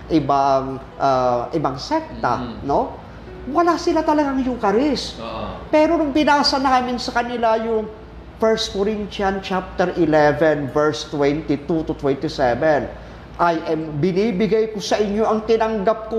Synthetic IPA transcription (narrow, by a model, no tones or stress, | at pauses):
ʔɪbaŋ | ʔaʔɪbaŋsɛk̚t̪a̰no̞ | wɐlaːsɪlat̪ɐlɐɡaŋjʊŋkɐɾɪspɛːɾo̞nʊŋpɪnaːsɐnaːmɪnsɐkɐnɪlajʊŋ | fɛɹst̪̚koɾint͡ʃɐnt͡ʃap̚t̪ɛɾʔɪlɛvɛnvɛɹst̪wɛnt̪ɪt̪ut̪ʊt̪wɛnt̪ɪsɛvɛn | ʔajʔɛmbɪnibɪɡajkosɐʔɪɲjo̞ʔɐŋt̪ɪnɐŋɡap̚ko